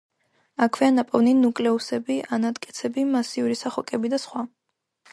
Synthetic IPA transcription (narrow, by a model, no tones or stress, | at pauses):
akʰwianapʼɔvninukʼlɛusɛbiʔanat̪ʼkʼɛt̪sʰɛbimasiuɾisaχɔkʼɛbid̪asχwa